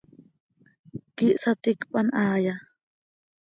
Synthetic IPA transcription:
kɪʔsat̪ɪkpʼanaːja

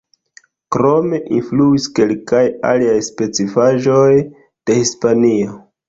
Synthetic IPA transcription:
kɾo̞me̞ʔinfluiske̞lkaja̰liajspe̞t͡sifaʒo̞j | d̥e̞hispanio

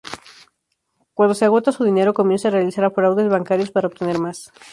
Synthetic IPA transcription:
kwand̪oseaɣo̞t̪asuðine̞ɾo̞ko̞mje̞nsaːrealisaɾafoɾawðezβaŋkaɾjo̞spaɾaoβ̚t̪e̞ne̞ɾmas

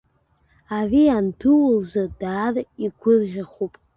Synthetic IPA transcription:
arianduwlzadaːriɡʷʰʊrʒʲaχupʼ

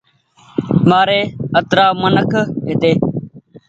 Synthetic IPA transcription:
maːɾeːət̪ɾaːmənəkʰɦeːt̪eː

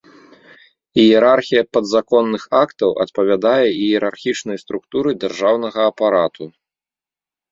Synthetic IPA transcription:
ijɛɾarxʲijɐpɐd̪zakɔnːɨxakt̪ɐwʔɐ̰t̪̚pɐvʲad̪ajɛijɛɾarxʲit͡ʂnɐjst̪ɾukt̪uɾɨd͡zʲarʐawnɐɣɐːpaɾat̪ʰu

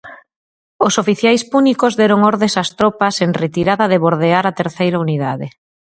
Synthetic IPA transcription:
osofiθjajspunikozðɛɾoŋɔɾðẽsast̪ɾopɐseŋret̪iɾaðɐðeβoɾðeaɾat̪eɾθejɾauniðaðɪ̰

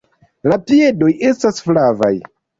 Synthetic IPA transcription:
latie̞do̞je̞stasflava̰j

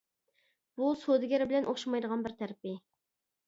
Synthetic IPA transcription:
b̥usod̪ɪɡʲɛɾɪbɪlɛnʔoχʃɑmɑjd̪əʁɑnbɪɾt̪ʰæɾɪpɪ

